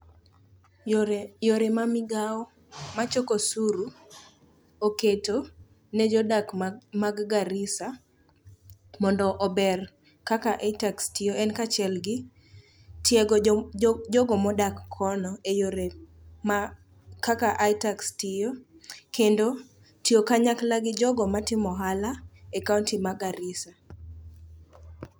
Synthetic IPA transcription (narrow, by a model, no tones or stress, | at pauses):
joɾemamɪɡaɔ | mat͡ʃokosuɾu | oketo | nɛd͡ʒɔdakmaɡɡaɾɪsa | mɔndɔʔɔbɛr | kakaʔaitakstɪjoʔɛnkat͡ʃɪɛlɡɪ | tjɛɡ | d͡ʒɔɡɔmɔdakʰːɔnɔejoɾe | ma | kakaʔaitakstɪjo | kendo | tiokaɲaklaɡɪd͡ʒɔɡɔmatɪmɔɦalaɛkauntimaɡaɾɪsa